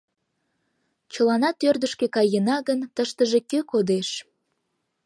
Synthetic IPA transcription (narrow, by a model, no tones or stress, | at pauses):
t͡ɕəlɑnɑt̪ørd̪əʃkekɑjənɑɣənt̪əʃt̪əʒekøkod̪eʃ